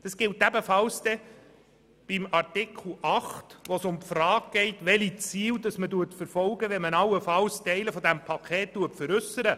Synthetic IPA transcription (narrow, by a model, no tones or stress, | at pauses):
d̥ɑsɡ̥ɪltæbəfɑlsd̪ɛ | b̥imɑrtɪkʰl̩ʔɑχtʋɔsʊmpfrɑːɡ̚ɡ̥ɛɪtʋɛlit͡siːld̪ɑsməduətfəɾfɔlɡəʋɛnmənɑwəfɑlstɛɪləfɔd̪æmpʰɑkʰχɛːt̚tuəpfəɾʉsəɾə